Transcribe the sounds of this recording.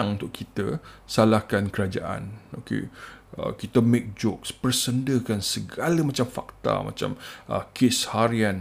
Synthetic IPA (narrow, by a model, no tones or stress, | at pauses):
aŋunt̪ʊʔkʰit̪əsalahkankəɾad͡ʒa̰ʔa̰nokḛə̰kit̪əmek̚d͡ʒɔkspərsəndəhkansəɡaləmat͡ʃamfa̰k̚t̪a̰ma̰t͡ʃa̰mə̰kʰɪshaɾiãn